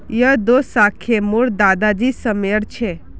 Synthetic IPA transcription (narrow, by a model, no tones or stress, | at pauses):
jəd̪osakʰemuɽd̪ad̪ad͡ʒisəmeɽt͡ʃʰe